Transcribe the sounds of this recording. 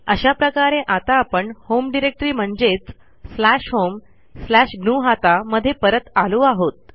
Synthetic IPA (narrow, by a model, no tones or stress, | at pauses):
əɕapɾəkaɾẽʔat̪aːpəɳhomɖiɾek̚ʈɾiːm̤əɳd͡zet͡s | slæʂɦom | slæɕɡnuːɦat̪aməd̪ʱːjepəɾət̪aluːaɦot̪̚